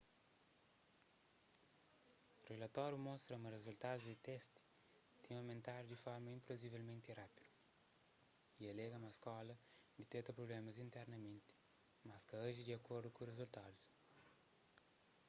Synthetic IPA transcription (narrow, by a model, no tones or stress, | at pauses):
urelɐt̪ɔɾjumɔ̃st̪ɾɐumɐrezult̪ad̪uzd̪it̪ɛst̪i̥ | t̪ẽamẽnt̪aɾd̪ifɔɾmɐĩmpɾozivelmẽnt̪irapid̪u | iɐlɛɡɐmɐskɔlɐd̪it̪et̪ɐpɾoblemɐzĩnt̪ɛɾnɐmẽnt̪i̥ | maskɐaʒid̪iɐkoɾd̪ukurezult̪ad̪us